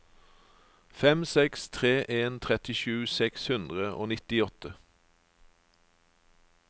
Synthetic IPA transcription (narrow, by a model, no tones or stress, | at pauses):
fɛmsɛkst̪ʰʁeːʔeːnt̪ʰʁɛt̪ɪʃʉːsɛkshʉnd̪ʁəʔo̰ːnɪt̪ɪɔt̪ə